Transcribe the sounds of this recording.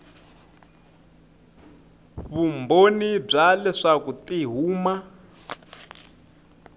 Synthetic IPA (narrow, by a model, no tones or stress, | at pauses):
βumbonib͡ʐalɛʂakutiɦuːma